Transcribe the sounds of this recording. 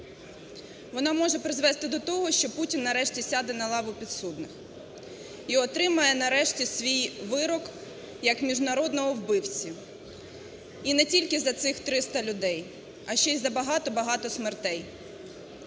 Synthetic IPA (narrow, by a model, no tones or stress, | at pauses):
ʋɔnɑmɔʒɛpɾɪzʋɛst̪ɪd̪ɔt̪ɔɦɔʃt͡ʃɔputʲinːɐɾɛʃtʲisʲad̪ɛnɐlˠɑʋʊpʲid̪sud̪nɪx | iɔt̪ɾɪmɐjɛnɐɾɛʃtʲisʲʋʲijʋɪɾɔk | jɐkmʲiʒnɐɾɔd̪nɔɦɔwbɪwt͡sʲi | inɛtʲilʲkɪzɐt̪sɪxt̪ɾɪst̪ɐlʲʊd̪ɛj | ɐʃt͡ʃɛjʲzɐbɐɦɑt̪ɔbɐɦɑt̪ɔsmert̪ɛj